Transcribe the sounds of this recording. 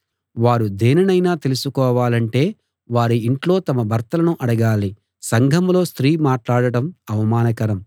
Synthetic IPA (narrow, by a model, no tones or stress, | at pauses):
ʋaːɾud̪eːnɐnɐjnaːt̪e̞lusukɔːʋaːlɐɳʈe̞ː | ʋaːɾuiɳʈlo̞ːt̪ɐmɐbʱɐɾt̪ɐlɐnuʔɐɽɐɡaːli | sɐŋɡʱɐmlo̞ːst̪ɾiːmaːʈlaːɽɐʈɐmɐʋɐmaːnɐkɐɾɐm